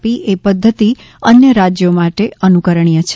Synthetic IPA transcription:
piʔepəd̪ʱːət̪i | ənjəɾad͡ʒjomaʈeənukəɾəɳ̃ijət͡ʃʰ

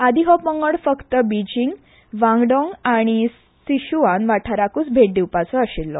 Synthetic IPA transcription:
ad̪ʱiɦɔpməŋɡəɽfəkt̪əbid͡ʑiŋɡ | ʋãŋɡɖɔŋɡaɽ̃i | siɕuʋanʋaʈʰaɾakuːt͡sbʱeʈ̚d̪iwpat͡sɔəɕilːɔ̰

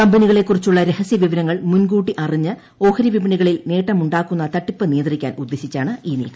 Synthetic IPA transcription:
kɐmbɐniɣɐɭe̞kːurit͡ɕːuɭːɐɾe̞hɐsjɐʋiʋɐɾɐŋːɐɭmunɡuːʈːiʔɐriɲːɨ | o̞ːhɐɾiʋibɐɳiɣɐɭilneːʈːɐmuɳɖaːkːunːɐt̪ɐʈːipːɨnijɐnd̪irikʲːa̰ːnud̪ːe̞ɕit͡ɕːaːɳɨʔiːnḭːkɐ

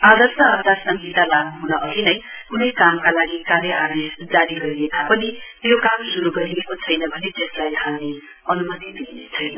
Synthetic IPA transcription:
ad̪ʌrsʌʌbd̪asʌŋɡit̪alaɡnuɦunʌʔʌlinʌj | kunʌjkamkalaɡikaɾjʌʔad̪isd͡zaɾiɡʌɾiek̪apʌni | jokamsuɾuɡʌɾiekot͡sʰʌjnʌbʱʌnet̪eslajt̪ʰalne | ʌnumʌt̪id̪inet͡sʰʌjnʌ

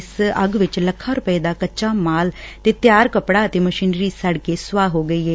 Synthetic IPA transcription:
səɡʋɪt͡ʃləkʰːaːɾʊpəeːd̪aːkət͡ʃaːmaːlt̪eːt̪jaːɾkəpɽaːt̪eːməʃiːnɾiːsəɽkeːsʊʋaːɦoːɡəiːɦɛː

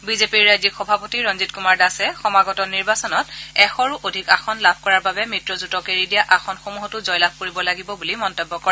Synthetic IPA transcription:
bizepiɹːajzikxɔbʱapotiɹɔnzitkumaɹdasɛxɔmaɡɔtɔniɹbasɔnɔtɛxɔɹuʔodʱikaxɔnlabʱkɔɹaɹbabɛmɹitɹɔzutɔkeɹidijaʔaxɔnxomuɦɔtʊzɔjlab̚ʱkoɹibɔlaɡibɔbulimɔntɔbːɔkɔɹɛ

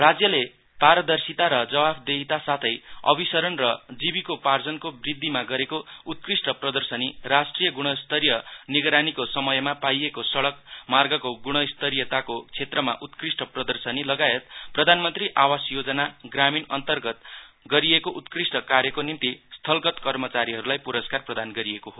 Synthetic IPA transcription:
rad͡zjʌle | paɾʌd̪ʌrsit̪aɾʌd͡zʌbabʰd̪eɦit̪asat̪ʰʌjʌ̰bisʌɾʌnrʌd͡zibikopard͡zʌnkobrid̪ʱːimaɡʌɾekout̪̚krisʈʌprʌd̪ʌrsʌnirasʈrijʌɡuɽ̃ʌst̪ʌɾijʌniɡɾanikosʌmʌjmapajekosʌɭʌkmarɡʌkoɡuɽ̃ʌst̪ʌɾijʌt̪akot͡sʰet̪rʌma̰ʔut̪krisʈʌprʌd̪ʌrsʌnilʌɡaet̪̚prʌd̪ʱanmʌnt̪riʔawasjod͡zʌnaɡraminʌnt̪ʌrɡʌt̪̚ɡʌɾiekoʔut̪krisʈʌkarjʌkonint̪ist̪ʰʌlkʌt̪kʌrmʌt͡saɾiɦʌɾulajpuɾʌskarprʌd̪anɡʌɾiekoɦo

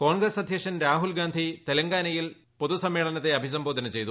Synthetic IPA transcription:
ko̞ːɳɡɾɐsɐd̪ʱjɐkʂɐnɾaːɦulɡaːnd̪ʱit̪elɐŋɡaːnɐjil | po̞ðusɐmːe̞ːɭɐnɐt̪ːe̞ɐbʱis̬ɐmboːd̪ʱɐnɐmt͡ɕe̞jt̪u

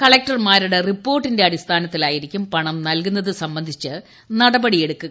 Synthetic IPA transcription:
kɐɭek̚ʈɐrmaːɾuɽe̞ripːo̞ːrʈːinde̞ɐɽist̪ʰaːnɐt̪ːilaːjiɾikʲːumpɐɳɐmnɐlkunːɐðɨsɐmbɐnd̪ʱit͡ɕːɨ | nɐɽɐbɐɽije̞ɽukːu

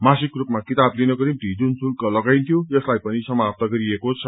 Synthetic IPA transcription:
masikrupmakit̪ablinʌkoɾimʈ̪id͡zunsunkʌlʌɡajnt̪ʰjojʌslajpʌnisʌmap̚t̪ʌɡʌɾiekot͡sʰʌ

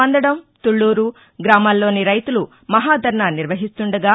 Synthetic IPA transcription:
ɐnd̪ɐɽɐmt̪uɭːuːɾu | ɡɾaːmaːlːo̞ːniɾɐjt̪ulu | mɐɦaːd̪ʱɐɾɳaːniɾʋɐɦist̪uɳɖɐɡaː

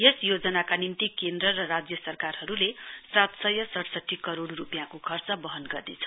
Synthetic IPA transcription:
jesjod͡zʌnakanimt̪ikend̪rʌrʌrad͡zjʌsʌrkarɦʌɾulesat̪sʌjʌsʌʈsʌʈʰːikʌɾoɽrupjãkokʰʌrt͡sʌbʌɦʌnɡʌrd̪et͡sʰʌ̥

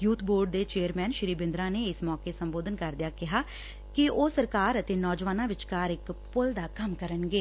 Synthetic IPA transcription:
juːt̪ʰboːɾɖd̪eːt͡ʃeːəɾmɛːnʃɪɾiːbɪ̃nd̪ɾãːneːɪsmɔːkeːsəmboːd̪ənkəɾd̪ɪjaːkɪɦaː | kɪʔoːsəɾkaːɾət̪eːnɔːd͡ʒʋaːnãːʋɪt͡ʃkaːɾɪkpʊld̪aːkəmkəɾənɡeː

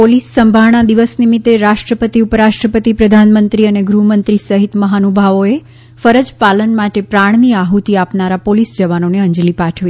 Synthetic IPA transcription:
polisːəmbʱaʋɳ̃ad̪iʋəsnimit̪ːeɾaʃʈɾəpət̪iupəɾaʃʈɾəpət̪ipɾəd̪ʱanmənt̪ɾiəneɡɾumənt̪ɾisəɦit̪məɦanubʱaʋoe | fəɾəd͡ʒpalənmaʈepɾaɳ̃niaɦut̪iapnaɾapolisd͡ʒəʋanoneə̃ɲd͡ʒlipaʈʰʋi

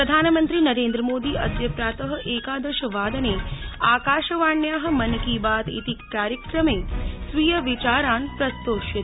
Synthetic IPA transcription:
pɾɐd̪ʱaːnəmənt̪ɾiːnɐɾeːnd̪ɾəmoːd̪iːʔɐd̪jɐpɾaːt̪əɦɐ̆ʔeːkaːd̪ɐʃɐʋaːd̪ɐneaːkaːʃɐʋaːɳjaːɦɐ̆mɐnkiːbaːt̪ḭt̪ikːaːɾjəkɾəmeːsʋijɐʋit͡ʃaːɾaːnpɾɐst̪oːʃɐt̪

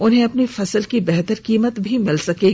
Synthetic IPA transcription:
ʊnɦẽɐpnifɐsəlkibɛɦt̪əɾkiːmət̪bʱimɪlsɐkeːɡi

